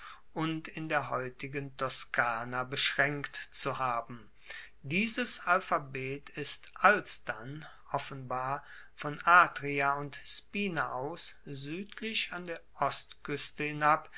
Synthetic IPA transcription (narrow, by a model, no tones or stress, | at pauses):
ʔʊntɪndeːɐɦɔʏtɪɡəntʰɔskʰaːnabəʃʁ̥ɛŋktt͡suhaːbm̩ | diːzəsalfabeːtʰɪstʔalsd̥an | ʔɔfənbaːɐ | fɔnʔaːdʁiaʊntspiːnaʔaʊszyːtʰlɪʃandeːɐʔɔstkʰʏstəhɪnap